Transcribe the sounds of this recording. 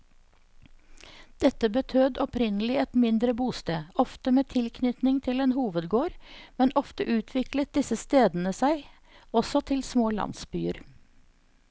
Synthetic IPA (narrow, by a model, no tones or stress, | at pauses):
d̪̥ɛt̪əbət̪ʰøːd̪ɔpɾɪnəl̩ɪɛt̪mɪnd̪ɾəbuːst̪eːɔft̪əmeːt̪ʰɪlkʰnʏt̪nɪŋt̪ʰɪleːnhuːʋəd̪ɡoːɾmɛnʔɔft̪əʔʉːt̪ʰʋɪklət̪̚d̪ɪsəst̪eːd̪n̩əsæɪ | ɔsɔt̪ʰɪlsmoːlɑ̰nsbyːəɾ